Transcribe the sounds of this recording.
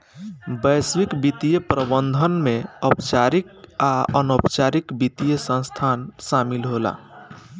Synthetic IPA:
bəjswikbit̪ijəpɾəbənd̪ʱənmeəpt͡ʃaɾik̚aənopt͡ʃaɾikbit̪ijəsə̃nst̪ʰansamilɦola̰

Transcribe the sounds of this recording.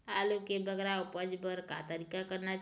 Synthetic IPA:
alokebəɡɾaupəd͡ʒbəɾka̰t̪əɾikakəɾnat͡ʃ

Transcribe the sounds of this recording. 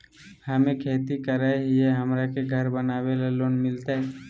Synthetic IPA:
hɐmẽkʰeːt̪ikəɾaɦieɦəmɾakeɡʱəɾbənaːwelaloːnmɪlt̪aɦɛː

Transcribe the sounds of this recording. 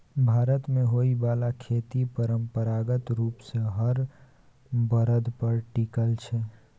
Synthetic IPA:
bʱaːɾət̪mẽɦoːibaːlakʰeːt̪ipəɾəmpəɾaːɡət̪ɾuːpseɦəɾ | bəɾəd̪pəɾʈiːkəlt͡ʃʰe

